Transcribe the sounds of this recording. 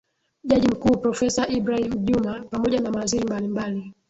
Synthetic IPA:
ʄaʄim̩kuːpɾɔfɛsaʔibɾahimʄumapamɔʄanamaziɾimbalimbali

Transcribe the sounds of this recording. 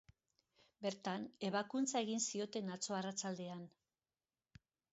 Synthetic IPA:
be̞ɾt̪ane̞β̞akunt͡sae̞ɣinsio̞t̪e̞nat͡so̞arat͡sald̪e̞an

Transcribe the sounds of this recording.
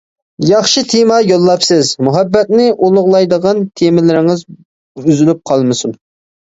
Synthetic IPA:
jɑχʃɨt̪ʰemɑjolˠːɑpsɪzmuɦɛbːɛt̪̚nɪʔolˠʊʁlˠɑjd̪əʁɑnt̪ʰemɪlɪɾɪŋɨz | yzylyp̚qʰɑlˠmɨsum

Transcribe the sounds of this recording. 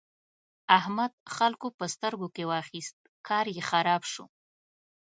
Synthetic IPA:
ahmad̪̥̚xalkopəst̪əɾɡokewɑxist̪̚kɑɾjexaɾɑbʃṵ

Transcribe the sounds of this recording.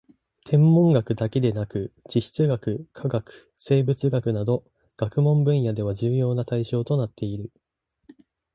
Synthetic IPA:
t̪ʰẽ̞mːõ̞ŋɡakɯ̟d̪ake̞d̪e̞nakɯ̟t͡ɕiɕi̥t͡sɨɡakɯ̟kʰaɡakɯ̟̥se̞ːbɯ̟t͡sɨɡakɯ̟nad̪o̞ | ɡ̥akɯ̟mõ̞mbɯ̟̃ɰ̃jad̪e̞β̞aʑɨːjo̞ːnat̪aiɕo̞ːt̪o̞nat̪ʰːe̞iɾɯ̟

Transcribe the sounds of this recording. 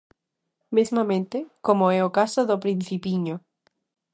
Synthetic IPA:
mismamẽnt̪ekomoeokasoðopɾin̟θipiɲo

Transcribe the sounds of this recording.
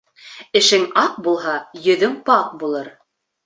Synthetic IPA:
ɘ̆ʃɘŋɑq̚bulˠɦɑjɵ̆ðɵŋpɑq̚bulˠɤɾ

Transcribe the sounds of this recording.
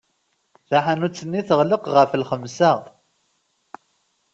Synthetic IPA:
θaħanut͡sːənːiθəʁləqʁəflχəmsaʁ

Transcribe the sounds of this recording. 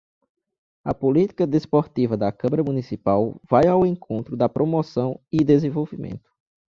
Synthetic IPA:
ɐpolit̪i̥kɐd̪espoɾt̪ivɐd̪ɐkɐ̃mɐɾɐmũnisipawvajawẽkʰõnt̪ɾʊd̪ɐpɾomɔsɐ̃w̃id̪ezẽvowvimḛ̃nt̪ʊ̥

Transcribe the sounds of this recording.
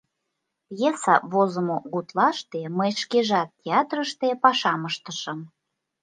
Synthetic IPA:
jesɑβozə̆moɣut̪lɑʃt̪eməjʃkeʒɑt̪ːʲeɑt̪rəʃt̪epɑʃɑməʃt̪ə̥ʃə̆m

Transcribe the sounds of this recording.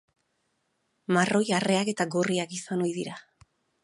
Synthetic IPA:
marʔo̞jare̞ake̞t̪aɡo̞riakisano̞jðiɾa

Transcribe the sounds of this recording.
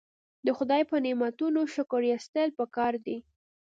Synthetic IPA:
d̪əxʊd̪ɑjpənɪmat̪unoʃʊkʊɾjast̪əlpəkɑɾd̪i

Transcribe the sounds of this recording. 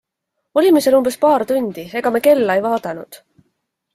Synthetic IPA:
o̞lʲimeselumb̥e̞spɑːɾt̪unʲd̪̥ie̞ɡ̥ɑmeke̞lːɑejvɑːd̪ɑnṵd̪̥

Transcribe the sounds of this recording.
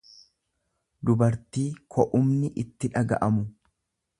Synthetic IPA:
d̪ʊbɐɾt̪iːkʰɔʔʊmnɪʔɪt̪ːɪᶑɐɡɐ̰ʔɐmʊ

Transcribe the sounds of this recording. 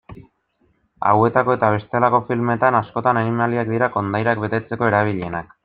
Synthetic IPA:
a̰we̞t̪ako̞e̞t̪aβ̞e̞st̪elako̞filme̞t̪anasko̞t̪ananimaliak̚d̪iɾako̞nd̪ajɾakbe̞t̪e̞t͡se̞ko̞e̞ɾaβ̞iʎe̞nak

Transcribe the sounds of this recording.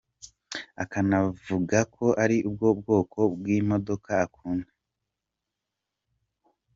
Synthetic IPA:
akanavuɡakʰo̞ʔaɾiʔub̚ɡo̞b̚ɡo̞ːkʰo̞bwimo̞do̞kaːkʰuːne

